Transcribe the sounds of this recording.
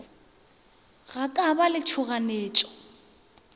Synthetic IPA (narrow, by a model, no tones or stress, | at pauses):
ɣakʼabalɪt͡ʃʰʊɣaneːt͡ʃʼɔ̥